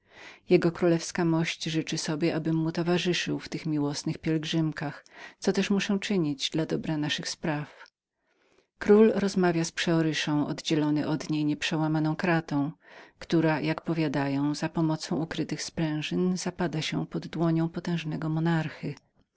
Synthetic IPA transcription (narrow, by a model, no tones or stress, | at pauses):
jɛɡɔkɾulɛfskamɔɕt͡ɕʐɘt͡ʂɘsɔbʲjɛʔabɘmːut̪ɔvaʐɘʂɘwft̪ɘxmʲiwɔsnɘxpʲjɛlɡʐɘmkaxt̪sɔt̪ɛʂmuʂɛ̃t͡ʂɘɲid͡ʑd̪lad̪ɔbɾanaʂɘxspɾaf | kɾulɾɔzmavʲjaspʂɛɔɾɘʂɔ̃w̃ʔɔ̰d̪d͡ʑɛlɔnɘʔɔd̪ɲejɲɛpʂɛwamanɔ̃w̃kɾat̪ɔ̃w̃kt̪uɾajakpɔvʲjad̪ajɔ̃w̃z̥apɔmɔt̪sɔ̃w̃ukɾɘt̪ɘxspɾɛ̃w̃ʐɘnz̥apad̪aɕɛ̰pɔd̪ːwɔɲɔ̃w̃pɔt̪ɛ̃w̃ʐnɛɡɔmɔnaɾxɨ